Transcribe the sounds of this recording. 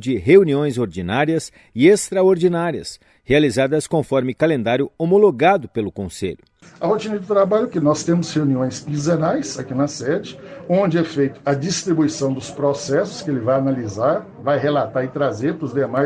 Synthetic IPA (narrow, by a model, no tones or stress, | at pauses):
d͡ʒɪɦeuniõj̃zoɾd͡ʒinaɾiɐs | ɪest̪ɾaoɾd͡ʒinaɾiɐ̰s | healizad̪ɐskõfɔɾmɪkalẽnd̪aɾjʊomoloɡad̪ʊpelʊkõsḛʎʊ | ɐhot͡ʃĩnɐdɪt̪ɾabaʎʊkɪnɔst̪ẽmʊsheũniõj̃smizeɾajsakinɐsɛd͡ʒɪõnd͡ʒɪɛfejt̪ʊ̥ɐd͡ʒist̪ɾibuisɐ̃w̃d̪ʊspɾosɛsʊ̥skɪelɪvajanalizaɾ | vajɦelat̪aɾɪt̪ɾazeɾpɾʊzd̪emaj